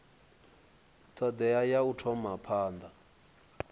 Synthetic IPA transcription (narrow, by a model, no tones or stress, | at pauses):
t̪ʰɔd̪ɛajautʰɔmapʰaːnd̪a